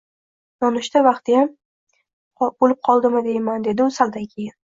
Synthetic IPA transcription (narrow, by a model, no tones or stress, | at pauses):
j̪ɒnɪʃt̪avɑqt̪ɪjam | bolɪp̚qʰɒlˠd̪ɪmɪd̪e̞jmand̪e̞d̪ɪʊsald̪ankʲʰejɪn